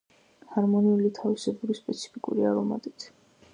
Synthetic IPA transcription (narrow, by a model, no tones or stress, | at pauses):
haɾmɔniulit̪ʰavisɛbuɾispʼɛt̪sʰi̥pʰikʼṵɾiaɾɔma̰t̪ʼit̪ʰ